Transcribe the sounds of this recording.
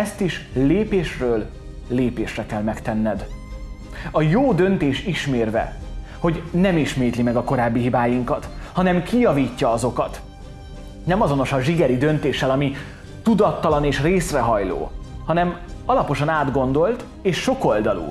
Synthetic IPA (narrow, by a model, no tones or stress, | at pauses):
ɛst̪iʃleːpeːʃrøːlː | eːpeːʃrɛkɛlmɛkt̪ɛnːɛd̪ | ɒjoːd̪ø̞nt̪eːʃiʃmeːrvɛ̰ | ho̞ɟnɛmiʃmeːt̪limɛɡɒko̞ɾaːbːiɦibaːjiŋkɒt̪hɒnɛmkijɒviːcːɒɒzo̞kɒt̪ | nɛmɒzo̞no̞ʃɒʒiɡɛɾid̪ø̞nt̪eːʃːɛlɒmi | t̪ud̪ɒt̪ːɒlɒneːʃreːsrɛɦɒjlo̰ːhɒnɛmɒlɒpo̞ʃɒnaːd̪ɡo̞nd̪o̞lt̪ | eːʃːo̞ko̞ld̪ɒlṵ